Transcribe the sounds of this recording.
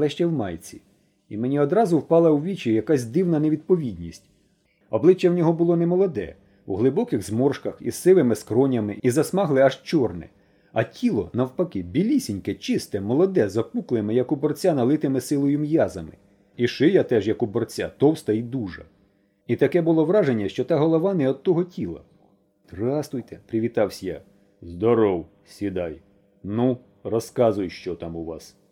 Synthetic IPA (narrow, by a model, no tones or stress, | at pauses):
ɐlˠɛʃt͡ʃɛwmɑjt͡sʲi | imenʲiɔd̪ɾɑzʊwpɑlˠɐwʋʲit͡ʃijɐkɑsʲd̪ɪwnɐneʋʲid̪̚pɔʋʲid̪ʲnʲisʲtʲ | ɔblˠɪt͡ʃːɛwnʲɔɦɔbʊlˠɔnɛmɔlˠɔd̪ɛ̰ | uɦlˠɪbɔkɪɣzmɔrʃkɐxḭsɪʋɪmɪskɾɔnʲɐmɪizɐsmɑɦlˠɪɐʒt͡ʃɔrnɛ̰ | ɐtʲʰilˠɔ̰nɐwpɐkɪbʲilʲisʲinʲkɛt͡ʃɪst̪ɛmɔlˠɔd̪ɛzɐpuklˠɪmɪjɐkʊbɔrt͡sʲanɐlˠɪt̪ɪmɪsɪlˠɔjʊmjɑzɐmɪ̰ | iʃɪjat̪ɛʒjɐkʊbɔrt͡sʲa̰t̪ɔwst̪ɐid̪uʒɐ̰ | it̪ɐkɛbʊlˠɔʋɾɑʒenʲːɐʃt͡ʃɔt̪ɑɦɔlˠɔʋɑnɛɔd̪̚t̪ːɔɦɔtʲilˠɐ̰ | t̪rɑst̪ʊjt̪ɛpɾɪʋʲit̪ɑwsʲja̰ | zd̪ɔɾɔw | sʲid̪ɑj | nu | rɔskɑzʊjʃt͡ʃɔt̪ɑmʊʋɑs